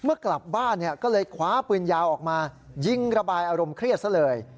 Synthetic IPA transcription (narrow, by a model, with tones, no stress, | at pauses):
mɯ˥˩əkla˨˩p̚baː˥˩nːi˥˩ɐkɔː˥˩lɤː˧jkʰwaː˩˦˥pɯː˧njaː˧wʔɔː˨˩k̚maː˧ | ji˧ŋɾa˧baː˧jʔaː˧ɾo˧mkʰɾi˥˩ət̪̚sʰa˥˩lɤː˧j